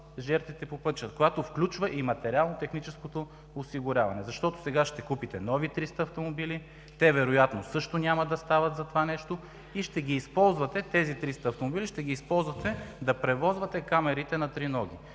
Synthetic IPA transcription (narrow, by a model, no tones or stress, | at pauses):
ʒɛɾt̪vit̪ɛpopɤt̪̚t͡ʃəkojat̪ofklʲut͡ʃvɐʔimɐt̪ɛɾʲialˠnot̪ɛxnit͡ʃɛskot̪oː | siɡʊɾʲavɐnɛzɐʃt̪ɔt̪o̥sɛɡaʃt̪ɛkupit̪ɛnɔvit̪ɾist̪ɐːft̪omobili | t̪ɛvɛɾojat̪nosɤʃt̪onʲamɐd̪ɐst̪avɐt̪zɐt̪ovanɛʃt̪o | iʃt̪ɛɡʲiːspɔlˠzvɐt̪ɛt̪ɛzit̪ɾist̪ɐːft̪omobiliʃt̪ɛɡiːspɔlˠzvɐt̪ɛd̪ɐpɾɛvɔzvɐt̪ɛkamɛɾit̪ɛnɐt̪ɾinɔɡ̟ʲi